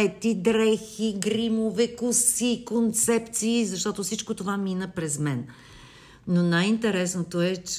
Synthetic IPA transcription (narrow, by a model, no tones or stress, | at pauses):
jt̪id̪ɾɛxiɡɾimovɛkʊsikont̪sɛpt̪siːzɐʃt̪ɔt̪ofsit͡ʃkot̪ovaminəpɾɛzmɛn | nːonajint̪ɛɾɛsnot̪oɛt͡ʃ